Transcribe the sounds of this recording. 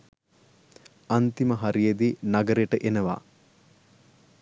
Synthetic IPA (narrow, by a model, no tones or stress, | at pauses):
ant̪iməɦaɾijed̪inaɡəɾeʈəʔenəʋa̰ː